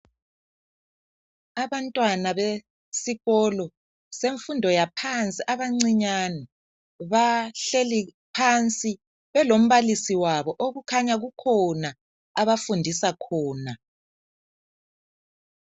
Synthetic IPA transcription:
aβantʼwanaβe | siɣɔlɔ | seɱfundʱɔjapʰant͡sʼiʔaβaŋ͡ǀiɲanɛ | βaɬeli | pʰant͡sʼi | βɛlom̩βalisiwaβɔʔoɣukʰaɲaɣukʰɔna | aβafundʱisakʰɔːna

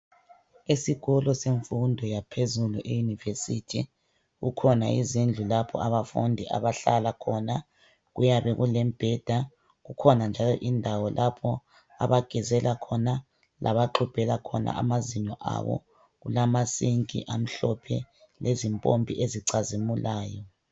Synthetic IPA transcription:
esiɣɔlɔseɱfundʱɔjapʰezuluʔejunivesitʰi | ɣukʰɔna̰izind͡ɮʱulapʰɔ̰aβafundʱiʔa̰βaɬalakʰɔna | ɣujaβɛɣulɛmb̥ʱɛd̥ʱa | ɣukʰɔnand͡ʒʱalɔ̰ʔindʱawɔlʔapʰɔ | a̰βaɡ̥ʱɛzɛlakʰɔna | lʔa̰βaǃʰub̥ʱɛlakʰɔna̰ʔa̰maziɲɔʔa̰βɔ̰ | ɣulamasiŋkʼḭʔam̩ɬɔpʰɛ̰ | lʔezimpʼombʱiʔeziǀazimulʔaːjɔ

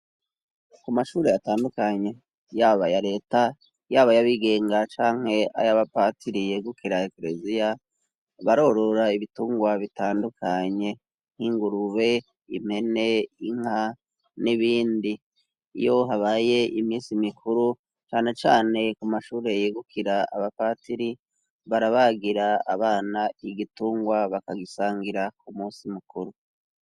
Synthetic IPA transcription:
kumaʃuːɾe̞jataːndukaɲe̞ | jaːβajaɾe̞ːta | jaːβajaβiɡe̞ːŋɡat͡ʃaːŋ̥he̞a̰jaβapatiɾijeɡukiɾaekɾe̞zija | βaɾo̞ɾo̞ɾaiβituːŋɡwaβitaːndukʰaɲe̞ | n̥hiːŋɡuɾuβe̞ | ḭm̥he̞ne̞iŋha | niβiːndḭː | jo̞ɦaβaːje̞ʔimiːnsimikʰuɾu | t͡ʃaːne̞t͡ʃaːne̞kumaʃuːɾe̞jiːɡukʰiɾaa̰βapaːtiɾi | βaɾaβaɡiɾa̰ːβaːnaiɡituːŋɡwaβakaɡisaːŋɡiɾakʰumuːsimukuɾu

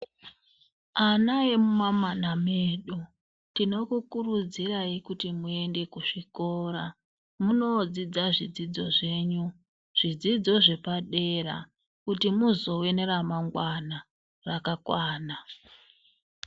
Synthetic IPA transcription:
anaemumamanameɗo | tino̞kukurud͡ziraikutimue̞nde̞kuʂiko̞ra | muno̞d͡zid͡zaʐid͡zid͡zo̞ʐe̞ːɲu | ʐ̥id͡zid͡zo̞ʐe̞paɗe̞ra̰ | kutimuzo̞we̞ne̞ɾamaŋɡwana | rakakwaːna

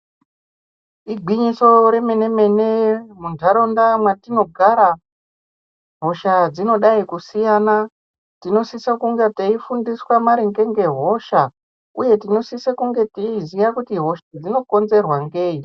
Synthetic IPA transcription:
iɡʱiɲiso̞ɾe̞me̞ne̞me̞nemundʱaɾo̞ndamwatino̞ɡʱaɾa | ɦo̞ʃad͡zino̞ɗaikusijana | tino̞sisakuŋɡeteifundiswamaɾiŋɡe̞ŋɡe̞ɦo̞ʃa | uje̞tino̞sisekuŋɡe̞teizijakutiɦo̞ʃad͡zino̞ko̞nze̞rwaŋɡe̞ːi

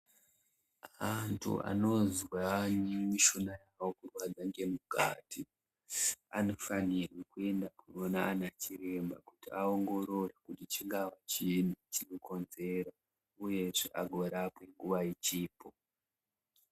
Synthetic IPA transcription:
antʰṵa̰no̞zwaɲimiʃonajawo̞kurwad͡zaŋɡe̞muka̰ːtʰi | ano̞fanirwekue̞ndakunonaːnat͡ʃiɾe̞mba̰kutiaoŋɡo̞ɾo̞rekutit͡ʃiŋɡawat͡ʃinit͡ʃinoko̞nze̞ɾo | uje̞ʐḛʔa̰ɡʱoɾapwe̞ŋɡuʋait͡ʃiːpʰo

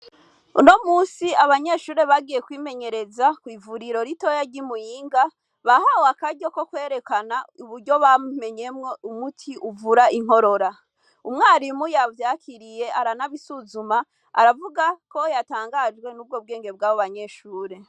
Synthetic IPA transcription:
uno̞muːsiaβaɲe̞ʃuːɾe̞βaɡije̞kwiːme̞ɲe̞ɾe̞zakwiːvuɾiɾo̞ɾito̞jaɟimujiːŋɡa | βahawakaɟoko̞kwe̞ːɾe̞kanauβuɾɟo̞βame̞ɲe̞mŋo̞umutʰiʔuvuɾaiŋ̥o̞ɾo̞ɾa | umŋaːɾimujavjaːkʰiɾije̞aɾanaβisuzuma | a̰ɾavuɡako̞jataːŋɡad͡ʒɡwe̞nub̚ɡoːb̚ɡe̞ːŋɡe̞b̚ɡaːβoβaɲe̞ʃuːɾe̞

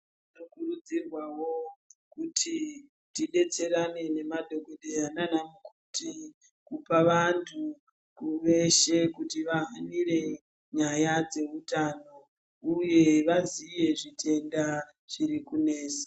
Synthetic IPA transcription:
inokurud͡zirwawo̞kutʰi | tiɗe̞t͡se̞ɾane̞ne̞madʱo̞ko̞ɗejananamukuti | kupaʋantʰu | kuʋe̞ʃe̞kutiʋaɦanire̞ | ɲajad͡ze̞utano̞ | uje̞ʋazije̞ʐitʰe̞nda | ʐ̥iɾikune̞ːsḁ

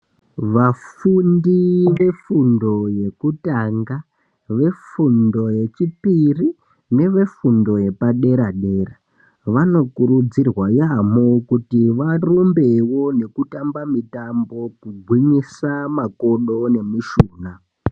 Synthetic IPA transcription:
ʋafundiʋe̞fundo̞je̞kutaŋɡa | ʋe̞fundo̞je̞t͡ʃipiri | ne̞ʋe̞fundo̞je̞paɗe̞ɾaɗe̞ːra | ʋano̞kuɾud͡zirwajamokutiʋarumbe̞wo̞ne̞kutambamitambo̞kuɡʱwiɲisamakoɗo̞ne̞miʃuːna

